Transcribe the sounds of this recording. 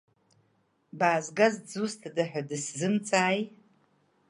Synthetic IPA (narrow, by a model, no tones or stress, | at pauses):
baːzɡazd͡zustʰdaħᶣʷadɨszɨmt͡sʼaːj